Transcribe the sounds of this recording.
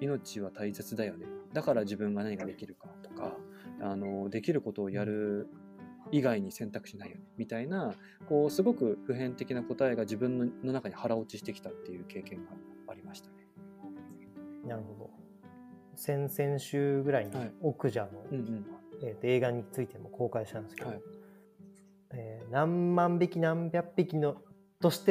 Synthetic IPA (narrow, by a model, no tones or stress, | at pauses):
ino̞t͡ɕiβat̪aise̞t͡sɨd̪ajo̞d̪ed̪akaɾad͡ʑibɯ̟̃ŋɡanaɲ̟ikad̪e̞kʲiɾɯ̟kat̪o̞̥ka̰ | ano̞d̪e̞kʲiɾɯ̟ko̞t̪o̞ːjaɾɯ̟ | iɡaiɲ̟isẽ̞nt̪akɯ̟ɕinaijonemʲit̪aina | ko̞ːsɨɡo̞kɯ̟ɸɯ̟ɦẽ̞nt̪e̞kʲinako̞t̪aeɡaʑibɯ̟̃nːonːo̞nakaɲ̟ihaɾao̞t͡ɕiɕi̥t̪e̞kʲi̥t̪at̪ːe̞jɯ̟ːke̞ːkẽ̞ŋɡaaɾʲimaɕi̥t̪ḁne̥ | naɾɯ̟ho̞d̪o̞ | sẽ̞ɰ̃sẽ̞ɰ̃ɕɨːɡɯ̟ɾaiɲiokɯ̟ʑano̞ɯ̟̃ɴɯ̃ɴet̪ːoe̞ːɡaɲ̟it͡sɨit̪e̞mo̞kʰo̞ːkaiɕi̥t̪ãnd̪sɨ̥kei | eːnãmːãmbʲikʲinãmbʲjapːikʲino | t̪o̞ɕi̥t̪e